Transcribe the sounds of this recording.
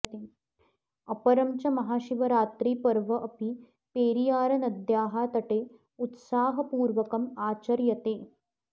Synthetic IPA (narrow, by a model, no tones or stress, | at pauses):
t̪e | ɐpɐɾɐmt͡ʃɐmɐɦaːʃiʋɐɾaːt̪ɾiːpɐɾʋɐʔɐpi | peːɾijaːɾɐnɐd̪jaːɦaːt̪ɐʈeː | ut̪saːɦɐpuːɾʋɐkɐmaːt͡ʃɐɾjɐt̪eː